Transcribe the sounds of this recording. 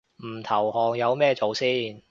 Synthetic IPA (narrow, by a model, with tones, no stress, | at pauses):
m̩˨˩t̪ʰɐ˨˩whɔː˨˩ŋjɐ˨˧wmɛː˥˧t͡so˨˧wsiː˥˩n